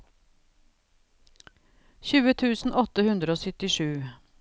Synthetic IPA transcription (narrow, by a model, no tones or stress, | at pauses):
çʉːət̪ʰʉːsn̩ʔɔt̪ːəhʉnd̪ɾəoːsʏt̪ɪʂʉː